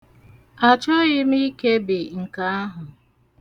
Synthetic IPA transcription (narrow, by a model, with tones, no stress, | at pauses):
a˨t͡ʃɔ˦ɣɪ˦mi˦ke˦bɪ˨ŋ̩˨ka˦a˦ɦʊ˨